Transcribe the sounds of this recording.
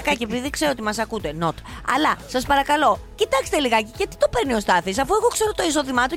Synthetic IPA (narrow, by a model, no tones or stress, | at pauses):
kɐcepiðikse̞ɾoot̪imɐsɐkut̪e̞no̞t̪ɐ̰lɐsɐspɐɾɐkɐlo̞cit̪ɐkst̪e̞liɣɐceʝɐt̪i̥t̪o̞pe̞ɾnio̞st̪ɐθisɐfue̞ɣo̞kse̞ɾo̞t̪o̞iso̞ðimɐt̪u